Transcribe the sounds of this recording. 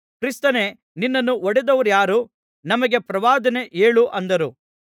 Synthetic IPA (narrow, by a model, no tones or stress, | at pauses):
kɾist̪ɐne̞ | ninːɐnːuɔɽɛd̪ɐʋɐɾjaːɾu | nɐmɐɡe̞pɾɐʋaːd̪ɐne̞ʔeːɭuʔɐnd̪ɐɾu